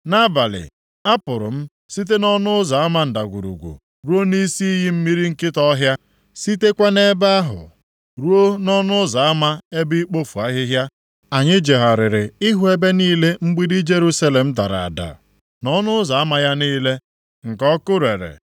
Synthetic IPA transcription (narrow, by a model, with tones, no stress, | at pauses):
na˦ba˨lɪ̰˨ | a˦pʊ˨ɾʊ̰˨m̩˦ | si˦t̬e˦nɔ˦nʊ˦ʊ˦za˨a˦ma˦n̩˨da˨ɡʷṵ˨ɾṵ˨ɡʷṵ˨ | ɾu˦o˦ni˦si˦i˦ɦi˦m̩˦mi˦ɾi˦ŋ̩˦kɪ˦tɔ˦ɦja˦ | si˦te˦kʷa˦ne˦ba˦a˦ɦʊ̰˨ | ɾu˦o˦nɔ˦nʊ˦za˨a˦ma˦e˦bi˦i˦k͡po˦fu˨a˦ɦɪ˦ɦja˦ | a˨ɲɪ˦d͡ʒe˨ɦa˨ɾɪ˨ɾɪ˨i˦ɦu˦e˦be˦niː˦le˦ŋ͡m̩˦ɡ͡bi˦di˦d͡ʒe˦ɾu˦sa˦le˨m̩˦ta˨ɾa̰˨a̰˨da̰˨ | nɔ˦nʊ˦ʊ˦za˨a˦ma˨˦ja˦niː˦le˦ | ŋ̩˨kɔ˦kʊ˦ɾe˨ɾḛ˨